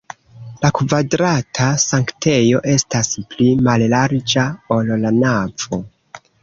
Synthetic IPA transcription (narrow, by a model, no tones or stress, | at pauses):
lakvadɾatʰasaŋktʰe̞jo̞ʔe̞stasplimallaɾd͡ʒao̞llanav̥o̞